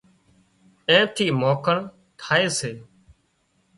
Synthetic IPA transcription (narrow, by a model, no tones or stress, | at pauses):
ẽːt̪ʰiːmoːkʰəɳ | t̪ʰaːeːseː